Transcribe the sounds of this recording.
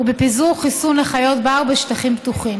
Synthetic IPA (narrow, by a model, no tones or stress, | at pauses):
ubepizuʁχisunleχajo̞t̪beaʁbeʃtaχimbt̪uχim